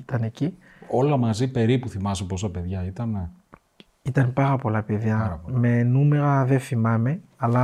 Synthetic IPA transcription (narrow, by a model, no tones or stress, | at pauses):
it̪ɐne̞ci | olɐmɐzipe̞ɾipuθimɐseposoɐpe̞ðʝɐit̪ɐne | it̪ɐnpɐɾɐpo̞lɐpeðʝɐɐme̞nume̞ɾɐðefimɐme̞ɐlɐ